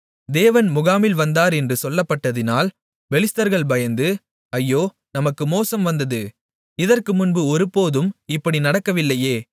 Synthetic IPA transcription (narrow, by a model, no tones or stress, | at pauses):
d̪eːʋɐnmʊɣaːmɪlʋɐnd̪aːɾɛndrɯsɔlːɐpːɐʈːɐðɪnaːl | bɛlɪst̪ɐɾɣɐɭbɐjɐnd̪ɯ | ɐjːoː | nɐmɐkːɯmoːsɐmʋɐnd̪ɐðɯ | ɪðɐrkɯmʊnbɯɔɾɯpoːðɯmɪpːɐɽinɐɽɐkːɐʋɪlːɐjeː